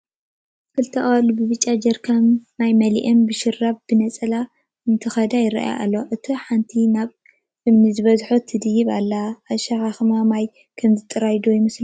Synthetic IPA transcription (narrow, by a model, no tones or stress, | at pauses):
kɨlt̪ʰɐʔʼwalbɨβɨt͡ʃʼːad͡ʒɐɾkʰamːajmɐliʔɛmbɨʃɪrːabb̥ɨnɐt͡sʼɐla | ɨnt̪ʰɨxɐd̪ajɪɾa̰ʔj̰ʔa̰lːoʔɨt̪ʰiħant̪ʰinaβ | ʔɨmnizɨβɐzħot̪ʰːɨd̪ɨjɪβa̰lːaːʃaxaxɨmamaj | kʰɐmzɨt̪ʼɨɾajd̪ujɪmɨslu